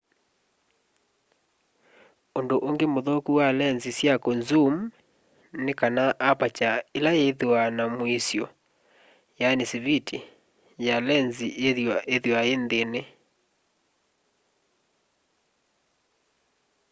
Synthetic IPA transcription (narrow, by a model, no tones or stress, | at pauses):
ondoʔoŋɡemoðokuwalɛnzisjakɔnzum | nekanaʔapat͡ʃaelajeðwanamoisjɔ | janisiβitʰi | jalɛnzieðaʔeðewaendene